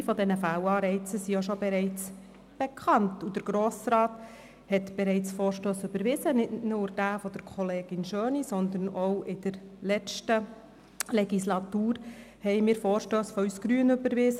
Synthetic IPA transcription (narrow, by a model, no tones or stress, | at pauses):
fɔdɛnəfæwɑːɾɛɪt͡səsijoʃobɛɾɛɪt͡s | b̥ɛkʰχɑntud̥̪əɾɡ̥ɾoːsɾɑːt | hɛt̪b̥ɛɾɛɪt͡sfɔːɾʃtøːsʏbəɾʋɪzənɪtnuːɾd̥æːfɔd̪əɾkʰɔleːɡ̥ɪnʃøːnisɔnd̪ənɔwʔɪd̥əɾlɛt͡ʃtə | lɛɡislɑtuːɾ | hɛɪmɪːɾfɔːɾʃtøːsfɔysɡ̥ɾyːənʏbəɾʋɪzə